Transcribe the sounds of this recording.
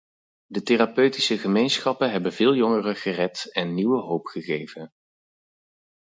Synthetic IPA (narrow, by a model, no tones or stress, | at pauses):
dəterapøɥtisəχəmejnsχɑpənɦɛbənvɪːlˠjɔŋərəχərɛtɛnːiwəɦowpχəχejvən